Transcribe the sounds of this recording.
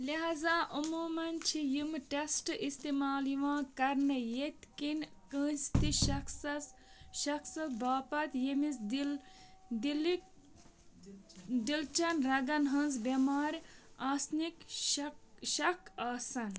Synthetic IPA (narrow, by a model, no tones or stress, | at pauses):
lɐɦaːzaːʔɐmuːmɐnt͡ʃʰijimʈesʈʔist̪imaːliʋãːkɐɾnɐjet̪kinkə̃ːst̪iʃɐksɐsʃɐksɐbaːpɐt̪jemisd | d̪il | d̪ilt͡ʃɐnɾɐɡɐnɦɐ̃nzbemaːɾʲaːsnik | ʃɐkʰaːsɐn